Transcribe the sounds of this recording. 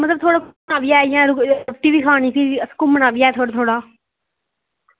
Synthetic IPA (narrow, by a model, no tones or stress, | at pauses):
mət̪ləb̚t̪ʰoːɽaːknaːʋɪjaːejãːɾʊʈiːʋiːkʰaːɽ̃iːpʰɪɾəskʊmənaːʋɪjaːet̪ʰoːɽaːt̪ʰoːɽaː